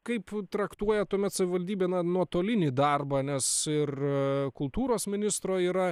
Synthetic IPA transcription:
kɐɪpt̪ɾɐkt̪uɔjɛt̪uɔmʲɛt̪sɐʋʲɪʋɐlʲd̪ʲiːbʲeːnɐnuɔt̪oːlʲɪnʲiːd̪ɐrbɐnʲɛsɪrkʊlˠt̪uːɾoːsmʲɪnʲɪst̪ɾoːiːɾɐ

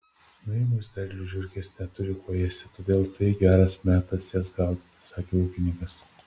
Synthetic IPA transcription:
nɐɪmʊsʲd̪ʲɛɾʲlʲʊʒʲʊɾʲkʲesnʲɛt̪ʊɾʲɪkoːjɛsʲɪt̪oːd̪ʲeːlˠt̪ɐɪɡʲæːɾɐsmʲæːt̪ɐsjɛsɡɑˑʊd̪ʲɪt̪ɐsɑːkʲeːuːkʲɪnʲɪŋkɐs

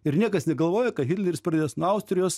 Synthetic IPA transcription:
ɪɾnʲiɛkɐsnʲɛɡɐlˠʋoːjɛkɐtɦʲɪt̪ʲlʲɛɾʲɪspɾɐd̪ʲeːjoːsnuɐʊsʲt̪ʲɾʲɪjoːs

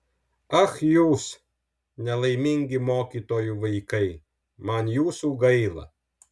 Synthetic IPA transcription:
ɐxjuːs | nʲɛlˠɐɪmʲɪŋʲɡʲɪmoːkʲiːt̪oːjuʋɐɪkɐɪ | mɐnjuːsuːɡɐɪlˠɐ̰

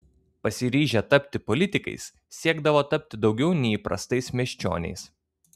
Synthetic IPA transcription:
pɐsʲɪɾʲiːʒʲɛt̪ɐpʲt̪ʲɪpɔlʲɪt̪ʲɪkɐ̰ɪs | sʲiɛɡd̪ɐʋoːt̪ɐpʲt̪ʲɪd̪ɒʊɡʲɛʊnʲɛɪiːˑpɾɐ̰st̪ɐɪsmʲɛʃʲt͡ʃʲo̰ːnʲɛ̰ɪs

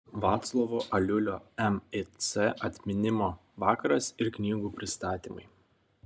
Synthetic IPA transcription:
ʋɑːt̪slˠɔʋoːʔɐlʲʊlʲoːɛmesʲɛʔɐt̪ʲmʲɪnʲɪmoː | ʋɑːkɐɾɐsɪɾknʲiːɡuːpʲɾʲɪst̪ɑːt̪ʲimɐɪ

